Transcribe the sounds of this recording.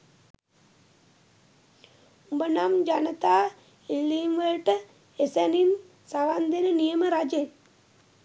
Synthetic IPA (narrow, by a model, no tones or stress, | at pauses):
ubənamd͡ʒanət̪aː | ilːiːmʋəlʈə | esænin | saʋand̪enənijəməɾad͡ʒen